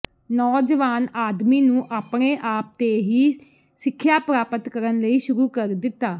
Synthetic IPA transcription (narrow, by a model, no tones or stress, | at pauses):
nɔːd͡ʒəʋaːnaːd̪miːnũːʔaːpɳeːʔaːp̚t̪eːɦiː | sɪkʰːjaːpɾaːpət̪kəɾənləiːʃʊɾuːkəɾd̪ɪt̪ːaː